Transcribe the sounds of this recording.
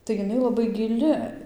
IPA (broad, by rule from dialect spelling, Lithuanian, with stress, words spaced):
tɐɪ jɪˈnɐɪ lˠɐˈbɐɪ ɡʲɪˈlʲɪ